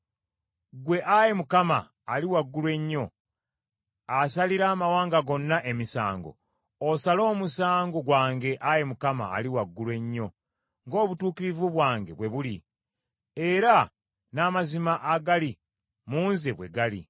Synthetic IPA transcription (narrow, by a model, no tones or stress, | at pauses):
ɡwe̞ʔaje̞mukama̰ː | liwaɡːulwe̞ɲːo̞ | asaliɾaːmawaːŋɡaɡo̞nːaʔe̞misa̰ːŋɡo̞̰ | osalo̞ːmusaːŋɡo̞ɡwaːŋɡe̞ʔaje̞mukama̰ːliwaɡːulwe̞ɲːo̞ | ŋɡo̞ːβutuːkiɾivuβwaːŋɡe̞βwe̞βuli | e̞ɾa | namazimaʔaɡali | muːnzeβwe̞̰ɡalḭ